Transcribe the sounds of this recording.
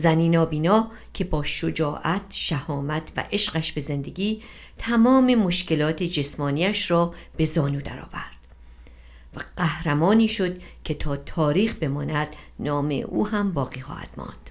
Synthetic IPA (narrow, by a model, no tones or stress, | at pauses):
zæniːnɒːbiːnɒː | cʰe̞bɒːʃod͡ʒɒːʔæt̪ʰʃæhɒːmæt̪ʰvæ̰ʔe̞ʃɢæʃbe̞ze̞nd̪e̞ɡiː | t̪ʰæmɒːmemo̞ʃce̞lɒːt̪ʰe̞d͡ʒe̞smɒːniːæʃrɒːb̥e̞zɒːnuːd̪æ̰ɾɒ̰ːvæɾd̪̥ | væɢ̥æhɾæmɒːniːʃo̞d̪̥cʰe̞t̪ʰɒːt̪ʰɒːɾiːxbe̞mɒːnæd̪̥nɒːmḛʔuːhæmbɒːɣiːxɒ̰ːhæ̰d̪̥mɒ̰ːnd̪̥